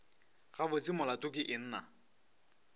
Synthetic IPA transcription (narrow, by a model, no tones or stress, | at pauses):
χabʊt͡sɪmʊlatʼʊkɪʔɪn̩ːna